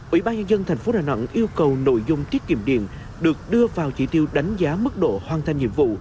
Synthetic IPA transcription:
ʔwḭ˧˩ɓaː˧nɲə˧nzə˧nt̪ʰɛ˨˩ŋ̟fo˨˦ɗaː˨˩na̰˧˩nʔi˧əwkə˨˩wno̰˧˨jzʊ˧ŋ͡mt̪i˦˥ət̚kḭ˧˩əmɗḭ˧˨ən | ɗɨ˨˩ək̚ɗɨ˧əvaː˨˩wt͡ɕi˧˩t̪i˧wɗa˨˦jŋ̟zaː˨˦mɨ˦˥k̚ɗo̰˧˨hwaː˨˧˩nt̪ʰa˧jŋ̟ɲḭ˧˨əmvṵ˧˨

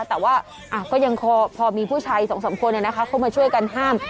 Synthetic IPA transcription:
t̪ɛː˨˩waː˥˩ | ʔa˧˩kɔː˥˩ja˧ŋpʰɔː˧pʰɔː˧miː˧pʰuː˥˩t͡ɕʰaː˧jsɔː˩˦ŋsa˩˦mkʰu˧əna˧˩na˦˥kʰa˦˥kʰa˥˩wmaː˧t͡ɕʰu˥˩əjka˧nɦaː˥˩m

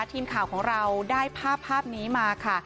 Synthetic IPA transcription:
t̪ʰiː˧mkʰaː˨˩wkʰɔː˩˦ŋɾa˧wdaː˥˩jpʰaː˥˩pʰːaː˥˩p̚niː˦˥maː˧kʰa˥˩

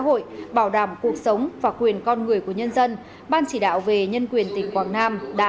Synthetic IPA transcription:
ɦo̰˧˨jɓaː˧˩wɗaː˧˩mku˨˩ək̚sə˨˦wŋ͡mvaː˨˩kwi˨˩ənkɔ˧nŋɨ˨˩əjku˧˩əɲə˧nzə˧n | ɓaː˧nt͡ɕi˧˩ɗa̰ː˧˨wve˨˩ɲə˧nkwi˨˩ənt̪ï˨˩ŋ̟kwaː˧˨˩ŋnaː˧mɗa̰ː˧˥

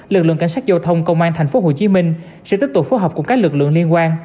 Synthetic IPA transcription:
lɨ˨˩k̚lɨ̰˧˨ə˨kŋ̟saː˦˥k̚zaː˧wt̪ʰə˧wŋ͡mkə˧wŋ͡mʔaː˧nt̪ʰa˨˩ŋ̟fo˨˦ɦo˧˩t͡ɕi˨˦mï˧ŋ̟ | sɛ̰˧˥t̪i˦˥k̚t̪u˨˩k͡p̚foː˨˦jɦɔː˨˩k͡p̚ṵ˧˩kaː˦˥k̚lɨ˨˩k̚lɨ̰˧˨əŋli˧ənkwaː˧n

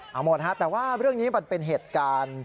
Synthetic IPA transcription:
ʔaː˨˩mo˨˩t̪̚ha˦˥t̪ɛː˨˩waː˥˩ɾɯ˥˩əŋniː˦˥ma˧npe˧nɦeː˨˩t̪̚kaː˧n

